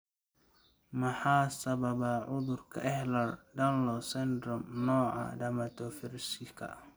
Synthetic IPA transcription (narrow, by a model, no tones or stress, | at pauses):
mɐħɑːsɐβɐβaʕʊðʊrkʰɐ̰ʔɛhlɐrɖɐnlɔsɛnd̪ɾɔmnɔːʕɑ̰dɐmɐt̪ʰɔfɪɾsɪkʰɐ̰